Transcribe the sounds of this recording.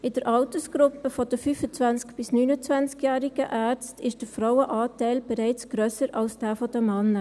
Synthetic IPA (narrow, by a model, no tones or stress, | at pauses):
ɪd̥əɾʔɑʊtəsɡ̥ɾʊpːəfɔdəfyːfət͡sʋænskb̥ɪsnyːnət͡svænt͡skjæːɾɪɡ̥əʔæːɾt͡stʰɪʃd̥əfɾawəʔɑːtæɪlb̥ɛɾæɪt͡sɡ̥ɾœsəɾɑlsd̥æːfɔd̥əmɑnːə